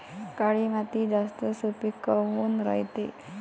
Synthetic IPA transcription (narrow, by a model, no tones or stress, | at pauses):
kaɭiːmat̪id͡zast̪əsupikːəɦuːnɾə̰jt̪ḛ